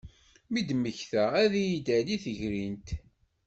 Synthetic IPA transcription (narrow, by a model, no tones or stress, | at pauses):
mid̪məçθææðijid̪æliθəʝɾint̪